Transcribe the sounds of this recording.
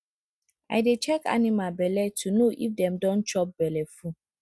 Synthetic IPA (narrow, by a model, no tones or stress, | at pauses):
a̰ɪdet͡ʃɛka̰nimabɛlɛtʰunoʔifdɛ̃mdɔ̃nt͡ʃɔp̚bɛlɛfu